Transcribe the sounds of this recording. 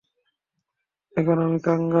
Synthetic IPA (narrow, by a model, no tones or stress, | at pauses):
ekɔnɔmikaŋɡa